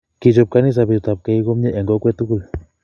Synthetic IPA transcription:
ki˨t͡ʃɔ˨p̚ka˦ni˦s̬a˨bi˨t̪a˨p̚kɛ˨˦i˦ko˦m˦ɲɛ˦ʔɛ˨ŋɡɔ˦kwɛ˦t̪u˦ku˦˨l

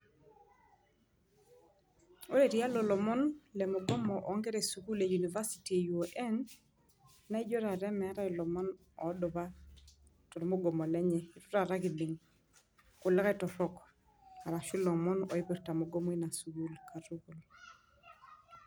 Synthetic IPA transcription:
o˦ɾe˨ɾi˦a˦lɔ˨lɔ˨mɔ˦nlɛ˨mɔ˨ɡɔ˦mɔ˨ʔɔ˨˦ŋɡɛ˦ɾe˨su˨ku˦le˨ju˨ni˨va˦si̥˨ti˨e˨ju˨o˨ʔɛ˦nː | a˦i˦d͡ʒɔ˦ɾa˨ɾɛ˦mɛ˨a˦ɾa˦i˨lɔ˨mɔ˦n | ɔ˨˦dɔ˨ba˦ | tɔ˨ɾmo˦ɡɔ˨mɔ˨lɛ˦ɲɛ˨i˨tu̥˦ɾa˨ɾa˦ki˨lɪ˨ŋ | kʊ˨lɛ˦kɛ˦tɔ˨ɾɔ˦k | a˨ɾa˨ʃu˦lɔ˨mɔ˦nɔ˨i˦pi˨ɾta˨mɔ˨ɡɔ˦mɔ˨˦i˦na˨su˨ku˦lka˨tu˦ku˨l

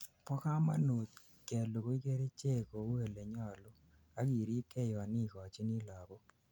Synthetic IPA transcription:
pɔ˦ka˦ma̰˦no˨t̪ | kɛ˨lo˨ko˦i˦ke˦ɾe˦t͡ʃe˦˨ko˨˦u˦e˨le˨ɲɔ˦˨lʊ˦ | a˦ki˨ɾi˦tʰe˦˨jɔ˨a˨ni˦˨kɔ˨t͡ʃi˦ni˦la˨bo˦

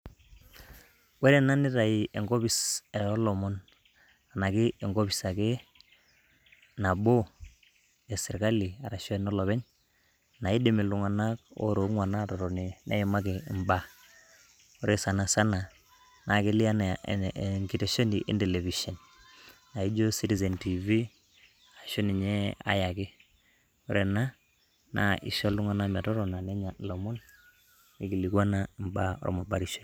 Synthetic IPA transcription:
wɛ˦ɾɛ˨na˦nɪ˦ɾa˨i˨ʔɛ˨ŋɡɔ˦bi˨sɛ˨ɔ˦lɔ˨mɔ˦n | a˨na˨kɪ˦ɛ˨ŋɡo˦bi˨sa˨ke˦ | na˨bo˦ | ɛ˨sɪ˨ɾka˦li˨a˨ɾa˨ʃɔ˦ɛ˨nɔ˦lɔ˨βɛ˦ɲ | na˨i˦di˨mɛ˨lu˨ŋa˨na˦ko̰˦ɾo˨˦ŋwa˨na˦ɾɔ˨ɾɔ˨ni˨na̰˦jɛ˨ma˦ɡe˨mba˦ | u˦ɾe˦sa˨na˨sa˦na˨ | na˨ki˦li˦a˦n˨ŋɡi˨te˨ʃo˦ni˨ʔḭ˦nde˨le˨vi˨ʃɔ˨nː | a˨i˦d͡ʒo˦si˦ti˦z̬e˨nti˨vi˦ | a˨ʃu˦ni˨ɲɛ˦a̰˦ja˨kɪ˦ | u˦ɾe˨na˦ | na̰˨ʔḭ˨ʃo˦lu˦ŋa˨na˦m˨a˨tɔ˦ɾɔ˨na˨nɛ˦ɲa˨lo˨mo˦n | i˦ki˨li˨kwa˦na˦˨mba̰˦o̰˦ɾɔ̰˦ma˨ba˨ɾi˨ʃo˦

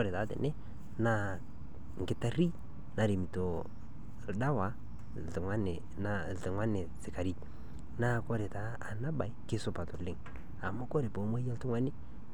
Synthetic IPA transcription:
ɔ˦ɾɪ˨taː˨˦tɛ̰˨nɛ˦ | na˦ | ŋ̩˨ɡɪ˦ta˦ɾi˦ | na˨ɾi˨mi˨to˨ | lda˦wa˨ | ɪ˨ŋa˦nɪ˨ | na˦˨ɪ˨ŋwa˦nɪ˨sɪ˨ka˨ɾi˦˨ | na˦˨kɔ˦ɾɪ˨ta˨˦ | a˨na˦ba˨i˦kɪ˦sʊ˦pa˨tʊ˨lɪ˦˨ŋ | a˨ma˦kɔ˦ɾɪ˨bo˨˦ma˦jɛ˦ltʊ˦ŋwa˦nɪ˦

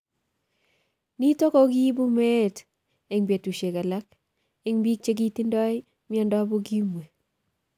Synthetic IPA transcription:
ni˦to˦kɔ˦ɡi˦bu˦mɛ˦t | e˨ŋbje˨tu˨ʃe˨ka˨la˦k̚ | e˦ŋbi˦k̚t͡ʃe˦ɡ̬i˦ti˦ndɔ˦ɪ | mia˦ndɔ˦bo˦ɡi˦mwe˨

